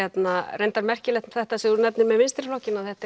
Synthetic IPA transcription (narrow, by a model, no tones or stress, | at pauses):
ɛt̪narejnt̪aɾmɛr̥cɪlɛht̪mθɛht̪asɛðuɾʏnɛpnɪɾmɛðmɪnst̪ɾɪ̥flɔhcɪnaðθɛht̪a